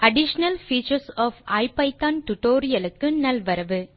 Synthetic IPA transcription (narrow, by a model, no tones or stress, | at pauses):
ʔɐɖɪʂɐnɐlfiːt͡ʃɐɾsɔːfaɪpːɐɪp̪ːaːnʈʊʈoːɾɪjɐlɯkːɯnɐlʋɐɾɐʋɯ